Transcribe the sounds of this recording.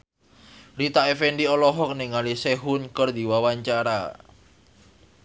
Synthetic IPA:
ɾit̪aefenɖiɔlɔɦɔk̚niŋaliseɦʊnkərd̪i̤wawaɲt͡ʃaɾa̰

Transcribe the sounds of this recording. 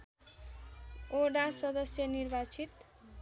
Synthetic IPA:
oɽasʌd̪ʌsjʌnirbat͡sʰit̪

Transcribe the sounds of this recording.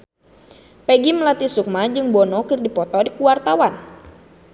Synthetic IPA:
pɛɡiməlat̪isuk̚mad͡ʒɨŋbɔnɔkɨrdipɔt̪ɔdikuwart̪awan

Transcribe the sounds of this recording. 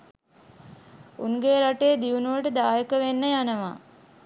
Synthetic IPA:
uŋɡeːɾaʈeːd̪iunuʋəʈəd̪aːjəkəʋenːəjanəʋa̰

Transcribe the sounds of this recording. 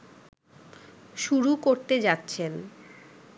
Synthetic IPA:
ʃuɾukoɾt̪ed͡ʑatːɕʰen

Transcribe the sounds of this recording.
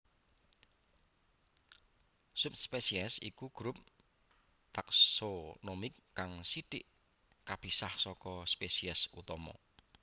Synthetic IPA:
sup̚spesiɛsḭkuɡ̥ɾup̚ | t̪aksonomɪkːaŋsiɖ̥ɪʔ | kab̥i̤sahsɔkɔspesiɛsut̪ɔmɔ̰

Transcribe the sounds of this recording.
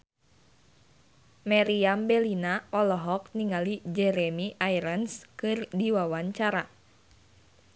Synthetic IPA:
maɾiambɛlinaɔlɔɦɔkniŋalid͡ʒɛɾɛmiʔajɾənskɨrdiwawaɲt͡ʃaɾa

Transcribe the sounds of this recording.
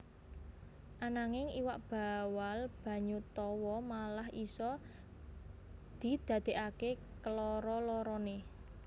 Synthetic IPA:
ʔanaŋɪŋiwaʔb̥a̤walb̥a̤ɲut̪ɔwɔmalahʔisɔ | d̪̥i̤d̪̥ä̤d̪̥e̤ʔake | kəlɔɾɔlɔɾɔne

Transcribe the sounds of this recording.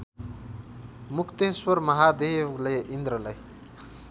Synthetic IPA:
mukʰt̪eswʌɾmʌɦad̪ewlejʔind̪ɾʌlʌj

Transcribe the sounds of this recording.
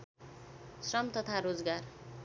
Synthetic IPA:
srʌmt̪ʌt̪ʰaɾod͡zɡar

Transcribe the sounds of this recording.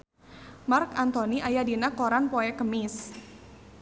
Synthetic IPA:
markant̪oniajadinakɔɾanpoɛkəmɪs

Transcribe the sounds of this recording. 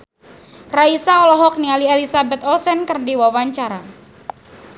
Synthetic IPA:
raisaɔlɔɦɔk̚nialielisabɛt̪ɔsɛnkərdiwawaɲt͡ʃaɾa

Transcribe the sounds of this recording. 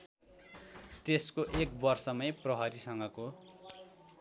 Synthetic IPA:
t̪eskoʔek̚bʌrsʌmʌjprʌɦʌɾisʌŋɡʌko

